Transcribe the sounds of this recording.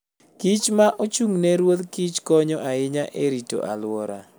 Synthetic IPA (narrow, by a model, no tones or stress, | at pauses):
kit͡ʃmaʔot͡ʃuŋnɛɾwod̪kit͡ʃkɔɲɔʔaɪɲaʔeɾito̰ʔa̰lʊwɔɾa̰